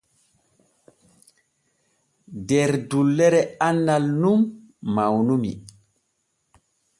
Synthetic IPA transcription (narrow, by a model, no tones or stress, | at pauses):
dɛɾdulːɛɾɛanːalnum | mawnumḭ